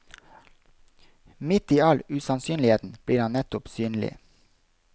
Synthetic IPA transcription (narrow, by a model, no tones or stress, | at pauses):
mɪt̪iːɑlʉsɑnsyːnlɪheːt̪n̩b̥ɽiːɾhɑnnɛt̪ʊpsyːnl̩ɪ̰